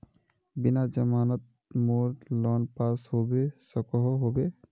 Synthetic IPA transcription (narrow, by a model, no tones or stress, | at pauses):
binad͡ʒʌmanɔt̪̚ | moɾlɔnpashobesɔkɔɦɔɦobe